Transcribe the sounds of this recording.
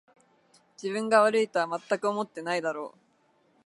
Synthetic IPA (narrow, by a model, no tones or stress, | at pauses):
d͡ʑibɯ̟̃ŋɡaβaɾɯ̟it̪aamat̪ːakɯo̞mo̞t̪ːe̞naid̪aɾo̞̰ː